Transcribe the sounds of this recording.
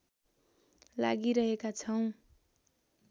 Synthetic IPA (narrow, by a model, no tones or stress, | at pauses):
la̰ɡiɾʌɦekat͡sʰʌw̃